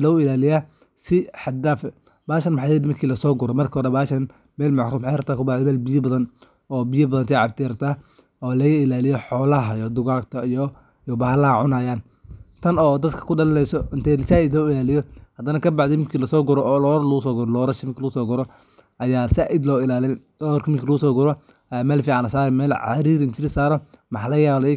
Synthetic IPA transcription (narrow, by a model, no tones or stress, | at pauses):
lɔʊɪlaːlɪjaː | sɪħɑd̪aːfɛ | baːʃɐnmħaɛd̪mɐkʰiːlɐsɔːɡʊɾɔmɐrkʰɐhɔɾɛbaːʃɐn | mɛːlmɑʕɾuːmħeɾɐb̚t̪ʰaːkʰʊbɑʕd̪ɛmɛːlbɪjɐbɐðɐn | ɔːbɪjɐbɐðɐnt̪ʰɛʕɑb̚t̪ʰɪɾɐt̪ʰaː | ɔːlɐɣɐɪlaːlɪjɔħɔːlɐɦɐjɔd̪ʊɣaːkt̪ʰɐijɔ | jɔbaːlaʕʊnaːjaːn | t̪ʰɐnɔːd̪ɐd̪kʰɐ̥kʰʊɖɐlɐlɛjsɔɪnt̪ʰɛsaːɪd̪lɔːɪlaːlɪjɔhɐd̪ɐnɐkʰɐbɑʕd̪ɛmɪŋkʰiːlɐsɔːɡʊɾɔːlɔːɾlɐɣʊsɔːɡʊɾɔlɔːɾɐʃɪmŋkʰlɐɣʊsɔːɡʊɾɔ | ʔɐjaːsaːʔɪd̪lɔːɪlaːlɪ | ɔːrkʰmɪŋkʰiːlɐɣʊsɔːɡʊɾɔ | mɛːlfiaːnɐsaːɾɛmɛːlʕɑ̰ɾiːɾɪnt͡ʃʰɪɾɪsaːɾɔmɑħɑlɐjaːlɛj